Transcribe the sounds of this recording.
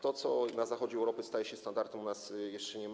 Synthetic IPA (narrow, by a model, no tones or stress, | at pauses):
t̪ɔt̪sɔnazaxɔd͡ʑɛɛwɾɔpɘst̪ajɛɕɛst̪and̪aɾt̪ɛmunasjɛʂt͡ʂɛɲɛm